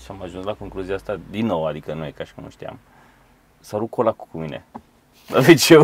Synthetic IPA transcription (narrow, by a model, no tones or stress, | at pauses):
ʃamaʒunslako̞ŋkluziaast̪ad̪inːowad̪ikənujekaʃi̥kənṵʃt̪ia̰m | saɾukʰolakkuminḛ | d̪avet͡ʃe